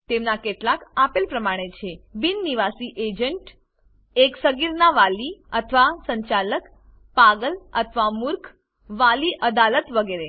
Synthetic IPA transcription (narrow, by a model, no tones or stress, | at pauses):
t̪emnakeʈlakapelpɾəmaɽ̃et͡ʃʰebinːiʋasiʔed͡ʒəɳʈ | eksəɡiɾnaʋaliət̪ʰəʋasəɲt͡ʃalək | paɡələt̪ʰʋamuɾkʰ | ʋaliʔəd̪alət̪ʋəɡeɾe